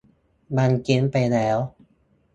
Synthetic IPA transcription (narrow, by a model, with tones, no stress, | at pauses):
ma˧nki˧˥npa˧jlɛː˦˥w